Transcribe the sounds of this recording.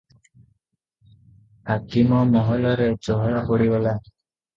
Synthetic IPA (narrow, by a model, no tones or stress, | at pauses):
hakimɔmɔɦɔlɔɾed͡ʒɔɦɔɭakɔɽibɔla